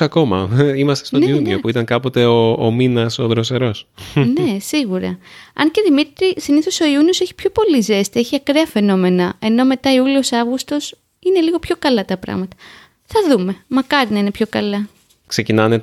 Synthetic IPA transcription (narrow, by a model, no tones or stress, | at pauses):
ɐko̞mɐ̰imɐst̪est̪oniuniopuit̪ɐŋkɐpo̞t̪e̞oːminɐso̞ðɾose̞ɾo̞snne̞siɣuɾɐ̰ɐ̰nce̞ðimit̪ɾisiniθo̞so̞iunio̞seçi̥pço̞po̞lize̞st̪ieçiɐkɾeɐfe̞no̞me̞nɐe̞no̞me̞t̪ɐiulio̞sɐvɣust̪o̞s | ine̞liɣo̞pço̞kɐlɐt̪ɐpɾɐ̰ɣmɐt̪ɐ̥ | θɐðume̞mɐkɐɾinɐine̞pço̞kɐlɐ | kse̞cinɐne